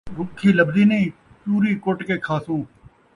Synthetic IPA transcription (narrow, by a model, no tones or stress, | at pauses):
ɾʊkʰːiːləbziːnəĩː | t͡ʃuːɾiːkoʈkeːkʰaːsũː